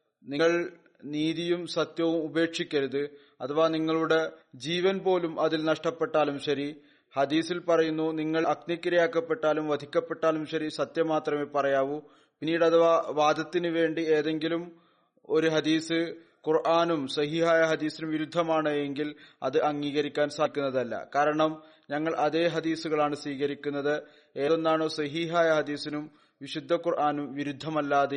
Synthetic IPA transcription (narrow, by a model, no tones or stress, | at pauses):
niŋːɐɭ | niːðijumsɐt̪jɐʋumube̞ːkʂikʲːɐɾuðɨ | ɐt̪ʰɐʋaniŋːɐɭuɽe̞d͡ʑiːʋɐnbo̞ːlumʔɐðilnɐʂʈɐpːe̞ʈːaːlumɕɐɾi | hɐd̪iːsilpɐrɐjunːuniŋːɐɭɐknikːɐɾɐjaːkːɐpːe̞ʈːaːlumʋɐd̪ʱikʲːɐpːe̞ʈːaːlumɕɐɾisɐt̪jɐmaːt̪rɐmeːpɐrɐjaːʋu | pinːiːɽɐðɐʋaːʋaːd̪ɐt̪ːinɨʋe̞ːɳɖieːðe̞ŋɡilum | o̞ɾuɦɐd̪iːsɨ | kurʔaːnumsɐɦiːɦaːjɐɦɐd̪iːsinumʋiɾud̪ʱːɐmaːɳɨeŋɡilɐðɨʔɐŋːiːɣɐɾikʲːaːnsakʲːunːɐðɐlːɐ̰kaːɾɐɳɐm | ɲɐŋːɐɭʔɐðe̞ːɦɐd̪iːsuɣɐɭaːɳɨsʋiːɣɐɾikʲːunːɐðɨ | e̞ːðonːaːɳoːsɐɦiːɦaːjɐɦɐd̪iːsinum | ʋiɕud̪ʱːɐkurʔaːnumʋiɾud̪ʱːɐmɐlːaːðe